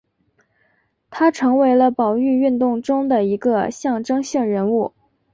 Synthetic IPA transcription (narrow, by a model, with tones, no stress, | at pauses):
t̪ʰa˥ʈ͡ʂʰɤ˧˥ŋwe˧˥ɪlə˧pɑ˨˩ʊy˥˧y˥˧nt̪ʊ˥˩ŋʈ͡ʂʊ˥ŋd̪ə˨i˧˥ɡə˧ɕjɑ˥˩ŋʈ͡ʂɤ˥ŋɕi˥˩ŋɻə˧˥nu˥˩